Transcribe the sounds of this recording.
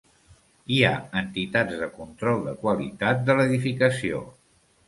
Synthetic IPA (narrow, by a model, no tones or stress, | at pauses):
ia̰ənt̪it̪ad͡zðəkunt̪ɾɔlˠd̪əkwəlḭt̪at̪̚d̪ələðifikəsio̰